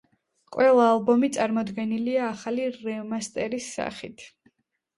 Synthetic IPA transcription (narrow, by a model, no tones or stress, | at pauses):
qʼwɛlˠaːlˠbɔmit̪sʼaɾmɔd̪ɡɛniliaːχaliɾɛmast̪ʼɛɾisːa̰χḭt̪ʰ